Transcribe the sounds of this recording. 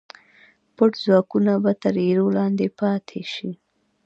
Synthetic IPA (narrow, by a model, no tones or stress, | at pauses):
pʊʈzwɑkunabat̪əɾeɾolɑnd̪epɑt̪ʰeʃi